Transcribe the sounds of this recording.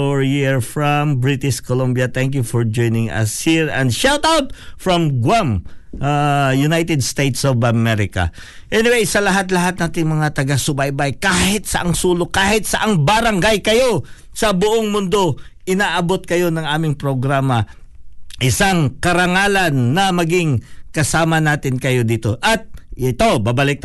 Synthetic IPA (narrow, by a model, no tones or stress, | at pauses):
ɹjiɹfɹɐmbɹɪt̪ɪʃkolombjɐt̪ɛŋkjufɔɹd͡ʒojnɪŋɐ̰shiɹɐ̰̃nd̪ʃɛlt̪awt̪̚fɹɐmɡwamʔajʊnajt̪ɛd̪st̪ejt̪sovɐmɛɾɪkɐ̰ | ʔɛnɪwejsɐlɐɦat̪̬lɐɦat̪̚naːt̪ɪŋmɐŋat̪ɐɡasʊbajbajkaːhɪt̪̚sɐʔɐŋsuːlokaːhɪt̪̚sɐʔaŋbɐɾɐŋɡajkɐjo̞ | sɐbʊʔoŋmʊnd̪o̞ | ʔɪnaːʔɐbo̞t̪̚kɐjo̞nɐŋaːmɪŋpɾoɡɾaːmɐ | ʔɪsaŋkɐɾɐŋaːlɐnːɐmɐɡɪŋkɐsaːmɐnaːt̪ɪnkɐjo̞d̪iːt̪o̞ʔɐt̪̚ɪt̪o̞baːbɐlɪk̚t̪